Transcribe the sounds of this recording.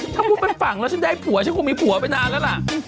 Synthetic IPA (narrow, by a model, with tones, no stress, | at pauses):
t̪ʰaː˥˩kʰuː˧pe˧nfa˨˩ŋlɛː˦˥˩t͡ɕʰndaː˧˩jpʰu˨˩˦ɐt͡ɕʰa˦˥nkʰu˧˩miː˧pʰu˨˩˦ɐpa˧jnaː˧lɛː˦˥wla˨˩ʔ